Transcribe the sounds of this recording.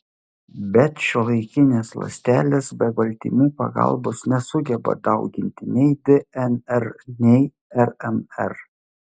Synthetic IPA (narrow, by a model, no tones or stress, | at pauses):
bʲɛt̪ʃʲulˠɐɪkʲɪnʲeːslˠɐ̰sʲt̪ʲæːlʲeːsbʲɛɡɐlʲt̪ʲḭːmʲuːpɐ̰ɡɑ̰lˠbosnʲɛsʊɡʲɛbɐ̰d̪ɐʊɡʲɪnʲt̪ʲɪnʲɛɪd̪ʲɛɛnɛɾnʲɛɪ | ɛɾɛmɛɾ